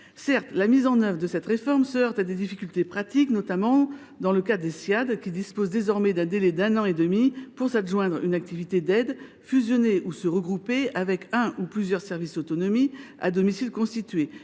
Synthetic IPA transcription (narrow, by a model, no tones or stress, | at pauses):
sɛʁt̪lamizɑ̃nœvʁəd̪əsɛt̪ʁefɔʁmsəœʁt̪ad̪ed̪ifikʲylt̪epχat̪iknɔt̪amɑ̃ | d̪ɑ̃ləkadd̪esjad̪kʲid̪ispozd̪ezɔʁmɛd̪ɛ̃d̪elɛd̪ɛ̃nɑ̃ed̪əmipuʁsaʒwɛ̃d̪ʁynak̚t̪ivit̪ed̪ɛd̪ | fyzjɔneʔusəʁəɡʁupeavɛkɛ̃ʔuplyzjœʁsɛʁvisd̪ot̪ɔnɔmia̰d̪ɔmisilkɔ̃st̪it̪ɥe